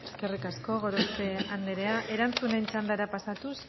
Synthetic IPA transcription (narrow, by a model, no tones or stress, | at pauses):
e̞ske̞rikasko̞ɣo̞ɾoseand̪eɾe̞aʔe̞ɾant͡sune̞nt͡ʃand̪aɾapasat̪us